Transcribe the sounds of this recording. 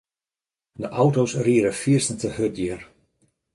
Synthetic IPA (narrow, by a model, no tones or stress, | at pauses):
dəʔawtosriəɾəfiərsən̩təhøt̚diər